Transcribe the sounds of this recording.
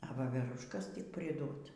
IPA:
ɐ ˈʋɑːʋʲɛrʊʃkɐs tʲɪk pʲrʲɪˈdoːt

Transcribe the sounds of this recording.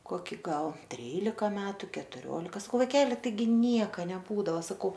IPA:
ˈkoːkʲɪ ˈɡɐlˠ ˈtʲrʲiːlʲɪkɐ ˈmʲæːtʊ kʲɛtʊˈrʲoːlʲɪkɐ sɐˈkɐʊ ʋɐɪˈkʲæːlʲɪ tɐɪˈɡʲɪ ˈnʲiɛkɐ nʲɛˈbuːdɐʋɐ sɐˈkɐʊ

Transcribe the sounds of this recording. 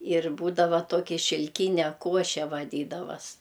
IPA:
ɪr ˈbuːdɐʋɐ ˈtoːkʲɪ ʃʲɪlʲˈkʲiːnʲɛ ˈkuɔʃʲɛ ʋɐˈdʲiːdɐʋɐs

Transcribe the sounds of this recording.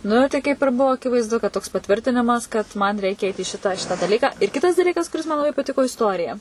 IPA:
ˈnʊ tɐɪ kɐɪp ɪr ˈbʊʋoː ɐkʲɪʋɐɪzˈdʊ kɐt toːks pɐˈtʲʋʲɪrʲtʲɪnʲɪmɐs kɐt mɐn ˈrʲɛɪkʲɛ ɛɪt iː ˈʃʲɪtɑː ˈʃʲɪtɑː dɐˈlʲiːkɑː ɪr ˈkʲɪtɐs dɐˈlʲiːkɐs kʊˈrʲɪs mɐn lˠɐˈbɐɪ pɐˈtʲɪkoː ɪsˈtoːrʲɪjɛ

